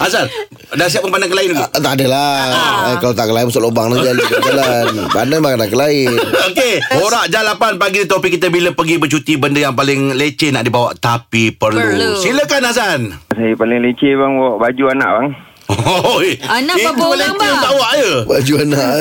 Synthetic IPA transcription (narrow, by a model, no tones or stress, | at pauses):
asan | dasiap̚kəŋpandaŋkəlaɪnuɡaʔt̪adəla | kalot̪akəlainmusalobaŋlad͡ʒalikad͡ʒalanbanabakanaŋkəlaɪnokehoɾaʔd͡ʒalapanpaɡidət̪opikit̪əbiləpəɡibət͡ʃut̪ibəndəjaŋpalɪŋlet͡ʃenaʔdibawa̰ʔt̪apipərlusiləkanasansajəpalɪŋlet͡ʃebaŋwɔʔbad͡ʒuana̰ʔbaŋ | oonibəlet̪ibaʔwaʔjəbad͡ʒuanaʔ